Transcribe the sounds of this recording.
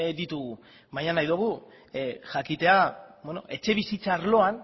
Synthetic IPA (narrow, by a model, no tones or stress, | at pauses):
d̪it̪uɣu | βajɲanajðuɣ̞u | ʝakit̪e̞abweno̞̰ʔe̞t͡ʃe̞β̞isit͡saːɾlo̞an